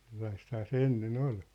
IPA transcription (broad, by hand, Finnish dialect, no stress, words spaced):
selːɑisthɑː se enːen ol